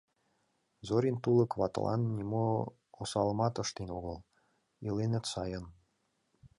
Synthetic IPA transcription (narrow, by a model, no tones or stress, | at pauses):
zoɾʲint̪ulɤ̆kβɑt̪lʔɑ̰nːʲimo | osɑlmɑt̪ɤ̆ʃt̪enoɣəl | ilenə̆t̪sɑjən